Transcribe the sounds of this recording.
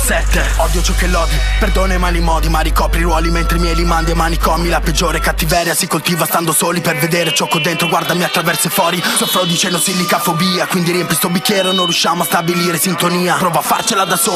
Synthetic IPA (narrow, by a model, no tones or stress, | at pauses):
sɛt̪ːe | ɔd̪jot͡ʃɔkːelːɔd̪iperd̪oːnamalimɔːd̪imaɾikɔːpɾiɾwɔːliment̪ɾeimjɛjlimand̪emaːnikɔmilaped͡ʒːoːɾekat̪ːivɛːɾjasikolt̪iːvast̪and̪osoːliperved̪eːɾet͡ʃɔkːod̪ent̪ɾoɡward̪amiat̪ːɾavɛrsefwɔːɾisofːɾɔd̪it͡ʃɛnd̪osilːikafobiːakwind̪iɾiɛmpist̪ɔbikʲːjɛːɾonõnrjuʃːaːmoast̪abiliːɾesint̪oniːapɾɔːvoafːa̰rt͡ʃelad̪asoː